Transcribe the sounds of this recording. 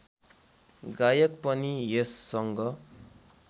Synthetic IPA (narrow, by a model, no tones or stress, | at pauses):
ɡajʌk̚pʌniesːʌŋɡʌ